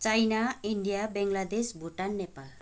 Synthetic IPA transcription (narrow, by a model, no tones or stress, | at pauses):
t͡sajnaiɳɖijabeŋɡlad̪esbʱuʈanːepal